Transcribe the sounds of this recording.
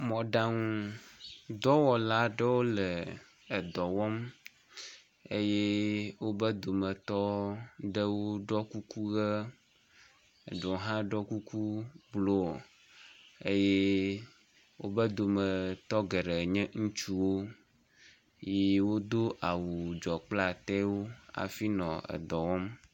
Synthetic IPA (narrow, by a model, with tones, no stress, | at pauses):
mɔ̃˨ɖã˦ŋũ˦ | d̪ɔ˦wɔ˨la˦ɖɛ˦wo˦lɛ˨ | e˨d̪ɔ˨wɔ˦m | e˦je˦wo˦bə˦d̪o˨mɛ̃˨t̪ɔ˦ɖə˦wo˦ɖɔ˦ku˦ku˦ɣə˦˨ | ɖo˨˦ɦã˦ɖɔ˦ku˦ku˦blo˦˨ | e˦je˦ | wʔo˦bɛ˦d̪o˨mɛ˨t̪ɔ˦ɡɛ˨ɖɛ˨ɲɛ̃˦ŋũ˦t͡ʃu˦wo˦ | je˦wo˦d̪o˦ʔa˨wu˨d͡ʒɔ˨k͡pla˦t̪ɛ˦wo˦a̰˨fi˦nɔ̃˨ɛ̰˨d̪ɔ˨wɔ˦m